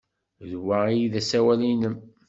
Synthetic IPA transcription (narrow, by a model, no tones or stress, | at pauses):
ðwaijiðæsæwælinəm